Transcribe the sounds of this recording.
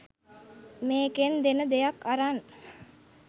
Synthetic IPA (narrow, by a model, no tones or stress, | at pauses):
meːkend̪enəd̪ejakːaɾan